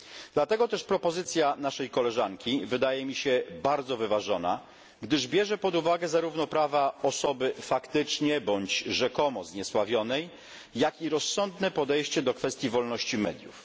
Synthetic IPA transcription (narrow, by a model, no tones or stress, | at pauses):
d̪lat̪ɛɡɔt̪ɛʂpɾɔpɔzɘt̪sʲjanaʂɛjkɔlɛʐaŋkʲivɘd̪ajɛmʲiɕɛbaɾd̪zɔvɘvaʐɔna̰ | ɡd̪ɘʐbʲjɛʐɛpɔd̪uvaɡɛzaɾuvnɔpɾavaɔsɔbɘfakt̪ɘt͡ʂɲɛbɔɲd͡ʑʐɛkɔmɔzɲɛswavʲjɔnɛjː | akiɾɔsːɔnd̪nɛpɔd̪ɛjɕt͡ɕɛd̪ɔkfɛst̪ʲjivɔlnɔɕt͡ɕimɛ̰d̪ʲjṵf